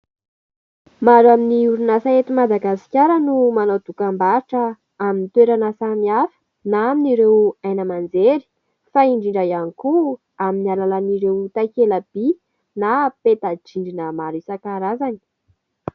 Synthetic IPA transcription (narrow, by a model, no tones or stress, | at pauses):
maɾaminiuɾunasaet̪imad̪aɡasi̥kʲaɾənumanod̪ukambaɾiʈ͡ʂə | aminit̪weɾanasamiafə̥ | naaminiɾewajnəmand͡zeɾi̥ | faiɳɖ͡ʐiɳɖ͡ʐajaniku | aminialalaniɾewt̪akeləb̥i | napet̪ad͡ʒiɳɖ͡ʐinəmaɾisakaɾazani̥